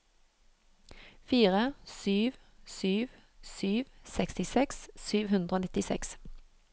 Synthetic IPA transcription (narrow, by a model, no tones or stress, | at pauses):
fiːʁəsyːʋ | syːʋ | syːʋsɛkst̪ɪsɛkssyːʋhʉnd̪ʁoːnɪt̪ɪsɛ̰ks